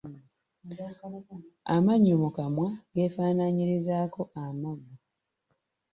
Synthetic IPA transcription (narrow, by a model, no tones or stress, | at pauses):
a̰maɲːumukamwaɡe̞ːfaːnaɲiɾizaːko̞ʔamoɡo